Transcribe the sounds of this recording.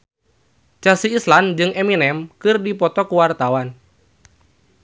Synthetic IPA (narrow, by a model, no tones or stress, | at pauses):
t͡ʃasiːsland͡ʒɨŋeminɛmkɨrdipɔt̪ɔkuwart̪awan